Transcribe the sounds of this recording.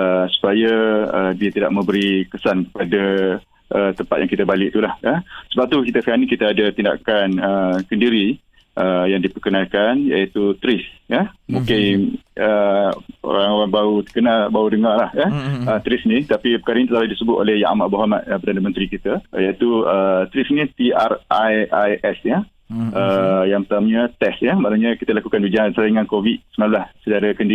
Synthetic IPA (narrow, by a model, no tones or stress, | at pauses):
əsu̥pajaədiət̪ida̰ʔ̚mə̃mbəɾikəsankə̥pada | ʔət̪əmpat̪̚jaŋkit̪abalɪʔ̚t̪ulahəsəbap̚t̪ukit̪asəkanikit̪aadat̪inda̰kanəkəndiɾi | ʔəjaŋdipərkənalkanjait̪ut̪ɾɪsəmũkɪnə | o̰ɾaŋoɾaŋbaut̪əkənalbaudəŋarlahəət̪ɾɪsnĩt̪apipə̥kaɾənit̪ət̪alahdisəbʊt̪olɛhja̰ʔmaʔboɦama̰t̪̚əpərdanəmənt̪ɾikit̪əjait̪uət̪ɾɪsinit̪iarajajɛsjə | ʔəjaŋət̪amɲət̪ɛsjəmaʔnaɲakit̪əlakukanbid͡ʒansajiŋankovit̪̚sənamlahsədaɾəkəndi